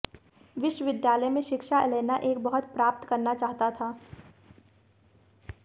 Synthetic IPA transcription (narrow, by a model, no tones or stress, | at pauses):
ʋɪʃwəʋɪd̪jaːləjmẽʃɪkʃaɛleːnaʔeːk̚bɐɦʊt̪pɾaːp̚t̪kɐɾnat͡ʃaːɦt̪at̪ʰaː